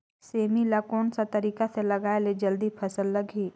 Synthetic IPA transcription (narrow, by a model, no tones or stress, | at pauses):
seːmilakɔːnsat̪əɾiːkaselɐɡaːeled͡ʒəld̪ipʰɐsəlːɐɡʱiː